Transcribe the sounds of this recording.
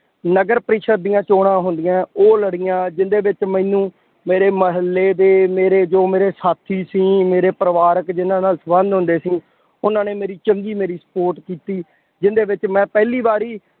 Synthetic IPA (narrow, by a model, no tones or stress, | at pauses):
nəɡəɾpɾiːʃʰət̪̚d̪ijãːt͡ʃoːɽ̃ãːɦʊnd̪ɪjãːoːləɽɪjãːd͡ʒɪnd̪eːʋɪt͡ʃmɛ̃nũː | meːɾeːməɦəlːeːd̪eːmeːɾeːd͡ʒoːmeːɾeːsaːt̪ʰiːsĩːmeːɾeːpɾəʋaːɾəkd͡ʒɪnãːnaːlsəbənd̪ɦʊ̃nd̪eːsĩː | ʊnãːneːmeːɾiːt͡ʃəŋɡiːmeːɾiːsə̥poːɾʈkiːt̪iː | d͡ʒɪnd̪eːʋɪt͡ʃmɛ̃ːpɛːliːbaːɾiː